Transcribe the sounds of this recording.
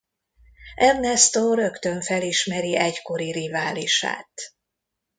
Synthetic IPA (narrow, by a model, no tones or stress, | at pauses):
ʔɛrnɛst̪oɾø̞kt̪ø̞ɱfɛliʃmɛɾiɛcko̞ɾiɾivaːliʃa̰ːt̪